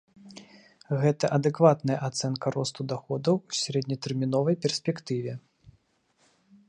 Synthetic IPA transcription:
ɣɛt̪ɐʔɐd̪ɛkvat̪nɐjɐʔat̪sɛnkɐɾɔst̪ud̪axɔd̪ɐwːsʲaɾɛd̪ʲnʲɐt̪ɛrmʲinɔvɐjpʲɛrsʲpʲɛkt̪ɨvʲɛ

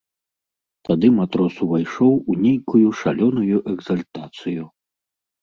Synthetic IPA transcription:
t̪ad̪ɨmat̪ɾɔsuvajʂɔwunʲejkujuʂalʲɔnujuʔɛɡzalʲt̪at̪sɨju

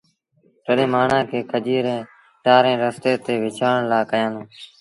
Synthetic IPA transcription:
t̪əɗẽːmaːɳãːkʰeːkʰəd͡ʒiːɾẽː | ʈaːɾẽːɾəst̪eːt̪eːʋɪt͡ʃʰaːɳɳlaːkəjãːnd̪õː

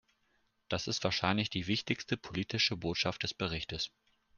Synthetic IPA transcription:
d̥asɪstv̥aːɐʃaɪnlɪçd̥iːvɪçtɪçstəpʰoliːtɪʃəboːtʃaft̚d̥ɛsb̥əʁɪçtəs

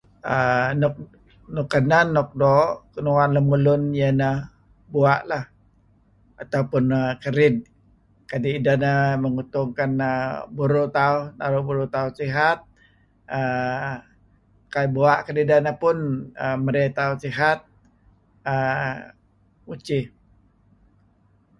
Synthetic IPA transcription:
ənɔk̚ | nukananːɔk̚doʔkənuanləmulʊnjənə | buaʔlah | at̪aupʊnəkəɾɪd̚ | kadidanəməŋut̪ʊŋkanəbuɾut̪auhna̰ɾubuɾut̪ausiɦat̪̚ | ə | kaibuaʔkadidanəpʊnəməɾet̪ausiɦat̪̚ | ə | ut͡ʃi

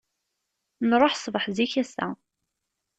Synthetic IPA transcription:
nɾˤoħsˤvəħziçæsæ̰

